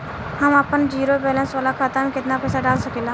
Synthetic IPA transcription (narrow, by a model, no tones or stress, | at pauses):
həməpənd͡ʒiːɾobɛːlə̃nsʋaːlakʰaːt̪amẽkɪt̪napɛːsaɖaːlsəkeːlaː